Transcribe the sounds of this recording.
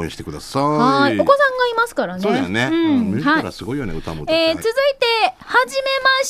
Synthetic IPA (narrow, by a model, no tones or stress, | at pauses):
ɕi̥t̪ekɯ̟d̪asahaiokosãŋɡaimasɨ̥kaɾanenẽhaiɾa̰sɨɡo̞ijoneɯ̟t̪amoeːt͡sɨzɨit̪e̞haʑime̞maɕ